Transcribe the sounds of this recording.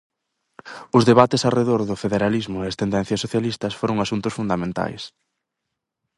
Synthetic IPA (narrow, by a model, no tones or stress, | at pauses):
ʊzðeβat̪ɪsareðoɾðʊfeðeɾalizmʊeɐst̪end̪ɛn̟θjɐsoθjalist̪ɐsfoɾʊŋasunt̪ʊsfund̪amẽnt̪a̰js